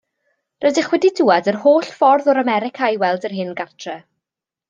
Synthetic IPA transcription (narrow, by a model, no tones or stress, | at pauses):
rədɪχwɛdidʊːadərhoːɬfɔrðɔɾamɛɾɪkʰajwɛlˠdərɦɪnɡatʰrɛ